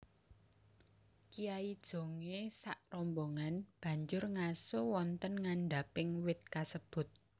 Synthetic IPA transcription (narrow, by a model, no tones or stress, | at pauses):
kijaid̥ʒ̥o̤ŋesaʔrɔmboŋanb̥ä̤ɲd͡ʒʊrŋasowɔnt̪ənŋanɖa̤pɪŋwɪt̪̚kasəb̥ʊ̤t̪̚